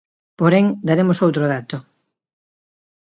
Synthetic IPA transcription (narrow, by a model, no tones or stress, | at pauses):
poɾeŋd̪aɾemʊsowt̪ɾoðat̪ʊ